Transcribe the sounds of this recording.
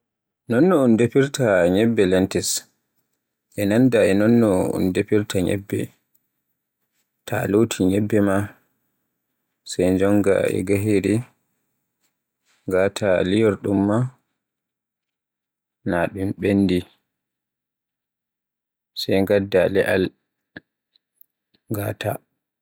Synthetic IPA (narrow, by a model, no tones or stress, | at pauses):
nɔnːɔundepiɾtaɲɛbːɛlɛntɛs | ʔɛnandaɛnɔnːɔṵndepiɾtʰaɲɛ̰bːɛ̰ | tʰa̰lotʰiɲɛbːɛma | sɛjnd͡ʒɔŋɡa̰ɛ̰ɡaɦiɾi | ŋɡatʰalijɔɾɗumːa | naɗumɓenːdi | sɛjŋɡadːalɛʔal | ŋɡatʰa